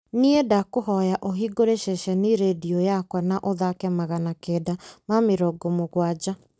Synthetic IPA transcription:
niedakoɦɔjaʔoɦiɡoɾeʃɛʃɛniɾediɔjakwanaʔoðakɛmaɣanakɛdamameɾɔɡɔmoɣwad͡ʑa

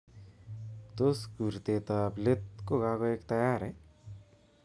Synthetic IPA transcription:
t̪osɡuɾt̪et̪ablet̪̚koɡakoekt̪ɐjaɾe

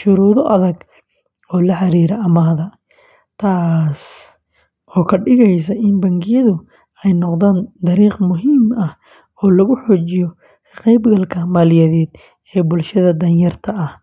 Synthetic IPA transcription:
ʃʊɾuːðɔʔɐðɐɡ | ɔːlɐħɑɾiːɾɐmaːðɐ | t̪ʰaːs | ʔɔːkʰɐɖɪɣɛjsɐʔɪnbɐŋɡɪjɐðʊ | ɛjnɔqðaːnd̪ɐɾiːqmʊɦiːmɐh | ɔːlɐɣʊħɔːt͡ʃɪjɔ | qɛjbɡɐlkʰɐmaːlɪjɐðɛːd̪ | ɛːbʊlʃɐðɐd̪ɐnjɐrt̪ʰɐɐh

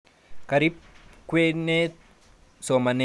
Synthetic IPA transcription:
kɐɾip̚kwenːe | somɐne

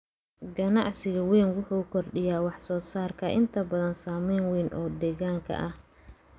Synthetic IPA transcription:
ɡɐnɑʕsɪɣɐwɛːnwʊħuːkʰɔrɖɪjaːwɑħsɔːsaːrkʰɐʔɪnt̪ʰɐbɐðɐnsaːmɛjnwɛːnʔɔːd̪ɛːɣaːŋkʰɐ̰ʔɐh

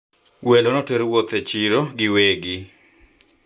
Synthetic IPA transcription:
welonɔtweɾwot̪et͡ʃiɾoɡɪweɡɪ

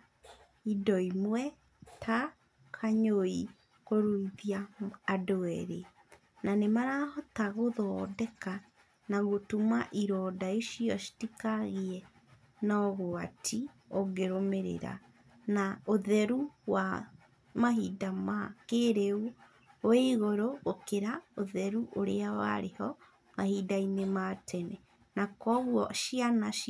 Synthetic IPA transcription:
idɔimwɛ | tʰa | kʰaɲoi | koɾuiðjaːdoɛɾḛ | nanemaɾahɔtaɣoðɔːdɛka | naɣotumaʔiɾɔdaeʃiɔʃi̥tikaɣiɛ | nɔɣoatʰi | oɡeɾomeɾḛɾa̰ | naoðɛɾuwa | mahidamakeɾeu | oeɣoɾoːkeɾaoðɛɾuʔoɾḛawa̰ɾehɔ | mahidainematʰɛnɛ | nakɔɣwɔʃianaʃ

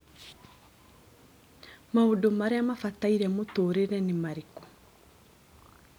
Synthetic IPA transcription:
maodomaɾeamafataiɾɛmotoːɾeɾɛnemaɾekɔ̥

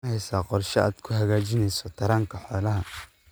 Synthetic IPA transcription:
hɛjsaːqɔrʃɛa̰ːd̪kʰʊhɐɣaːt͡ʃɪnɛjsɔt̪ʰɐɾaːŋkʰɐħɔːlɐɦɐ

